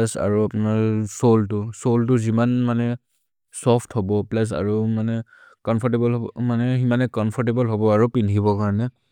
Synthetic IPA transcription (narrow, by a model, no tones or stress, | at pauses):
asa̰ɹuapʊnaɹsoltʊsoltʊzimanmanɛ | sɔpʰtʰhɔbɔplas̬a̰ɹumanɛ | kɔmpʰɔɹtebɔlɦɔmanɛximanɛkɔnpʰɔɹtebɔlɦɔbɔaɹupinʰibɔkaɹɔnɛ